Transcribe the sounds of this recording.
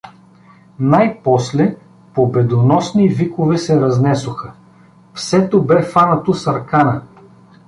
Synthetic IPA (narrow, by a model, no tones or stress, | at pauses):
najpɔslɛ | pobɛd̪onɔsnivikovɛsɛɾɐznɛsʊxə | fsɛt̪obɛfanɐt̪osɐɾkanə